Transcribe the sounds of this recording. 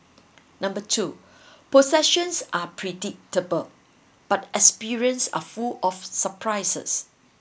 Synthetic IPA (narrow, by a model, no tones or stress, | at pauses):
nãmbətʰu | posɛʃə̃nsʔapʰɹɛdɪk̚təbəl | b̥atɛkspiɹiə̃nsa̰fulɔfsəpʰɹajsə̰s